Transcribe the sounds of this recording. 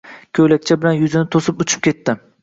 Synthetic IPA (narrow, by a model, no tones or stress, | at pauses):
kʲʰøjlak̚ʲt͡ʃʰabɪlanjʊzɪnɪt̪ʰosɪpʊt͡ʃʰɪ̥p̚kʲʰe̞t̪ːɪ